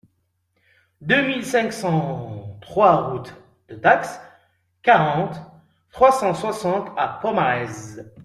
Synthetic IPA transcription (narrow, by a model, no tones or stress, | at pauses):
d̪ømilsɛ̃ksɑ̃t̪χwaʁut̪ | d̪̥ət̪aks | kaʁɑ̃t̪ː | χwasɑ̃swasɑ̃t̪apɔmaʁɛz